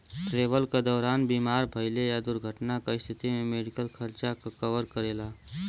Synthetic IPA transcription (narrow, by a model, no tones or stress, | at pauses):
ʈɾeːbəlked̪ɔːɾaːnbiːmaːɾbʱəɪlejad̪ʊɾɡʱəʈnakaɪst̪ʰɪt̪imẽmeːɽɪkəlxʰəɾt͡ʃakakəʋəɾkəɾeːlaː